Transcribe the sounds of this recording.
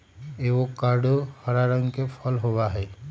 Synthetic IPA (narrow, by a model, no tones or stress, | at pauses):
eʋokaɾɖohəɾaɾə̃ŋɡkepʰəlɦowaɦɛː